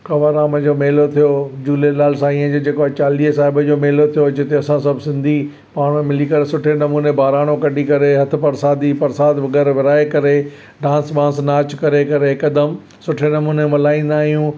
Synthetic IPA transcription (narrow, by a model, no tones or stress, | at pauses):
kɐʋəɾaːmd͡ʑoːmeːlot̪ʰijod͡ʑuːlelaːls̬ãiːə̃d͡ʑod͡ʑeːkoat͡ɕaːliːɦsaːɦɪbəd͡ʑoːmeːlot̪ʰijod͡ʑɪt̪eɐsãsɐbʱɪsɪ̃nd̪ʱi | paːɽ̃mẽmɪlikɐɾesʊʈʰenɐmuːnebaːɾaːɽ̃õkɐɖikɐɾeɦɐt̪ʰʊ̆pɐɾsaːd̪ipɐɾsaːd̪ʋɐɠɛːɾʋɪɾaːekɐɾe | ɖãːnsɓãːnsnaːt͡ɕkɐɾekɐɾekɐd̪əm | sʊʈʰenɐmuːnemɐlaːĩːnd̪aːɦijũː